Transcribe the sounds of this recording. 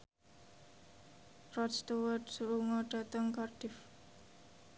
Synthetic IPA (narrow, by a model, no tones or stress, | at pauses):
rɔst̪uwədsuɾuŋɔɖ̥a̤t̪əŋkarɖ̥ɪf